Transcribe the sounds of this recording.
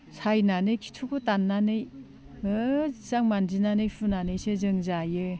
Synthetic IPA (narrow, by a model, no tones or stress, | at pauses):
sajnanɯjkʰi̥tʰukɯtanːanɯj | ɯizaŋmanzinanɯjpʰunanɯjsezɯŋzajɯ